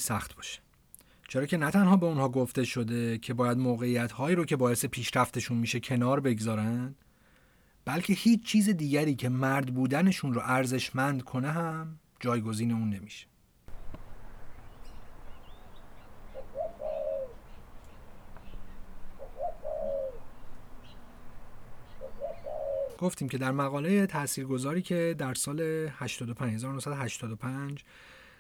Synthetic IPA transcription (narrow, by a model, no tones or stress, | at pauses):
sæxt̪bɒːʃe̥ | t͡ʃʰeɾɒːcʰe̞næt̪ʰænhɒːbe̞unhɒːɡo̞ft̪e̞ʃo̞d̪e̞cʰe̞bɒːjæd̪moːɣe̞ijæt̪hɒːiːɾocʰe̞bɒːjese̞pʰiːʃɾæft̪e̞ʃunmiːʃe̞cʰe̞nɒːɾbe̞ɡzɒːɾæn | b̥ælcʰe̞hiːt͡ʃʰt͡ʃʰiːzed̪iːɟæɾiːcʰe̞mæɾd̪buːd̪æne̞ʃunroʔæɾze̞ʃmænd̪kʰo̞neɦæm | d͡ʒɒːjɡo̞ziːne̞uːnːe̞miʃe̥ | ɡ̥o̞ft̪iːmcʰe̞d̪æɾmæɣɒːlejet̪ʰæʔsiːɾɡo̞zɒːɾiːcʰe̞d̪æɾsɒːle̞hæʃt̪ɒːd̪opʰænhe̞zɒːɾonohsæd̪ohæʃt̪ʰɒːd̪opʰænd͡ʒ